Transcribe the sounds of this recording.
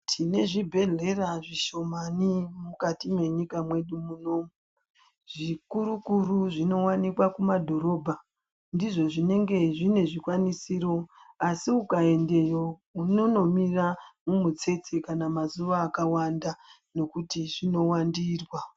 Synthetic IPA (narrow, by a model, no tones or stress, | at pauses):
tʰine̞ʐibʱe̞ɮe̞raʐiʃo̞manimukatimwe̞ɲikamwe̞ɗumuno̞ːmu | ʐ̥ikuɾukuruʐino̞wanikwakumadʱo̞ɾo̞ːbʱa | ndiʐo̞ʐine̞ŋɡe̞ʐine̞ʐikwanisiːɾo̞asiukae̞nde̞jounono̞miramumut͡se̞t͡sekanamazuʋaːkawanda | no̞kutiʐino̞wandiːrwa